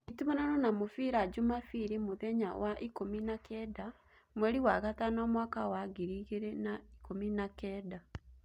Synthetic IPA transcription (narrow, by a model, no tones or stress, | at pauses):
itumananɔnamofiɾad͡ʒumafiɾemoðɛɲa̰waʔikominakʰɛːda | mwɛɾiwaɣatanɔmwaːkawaɡiɾiɣeɾenaikominakɛːda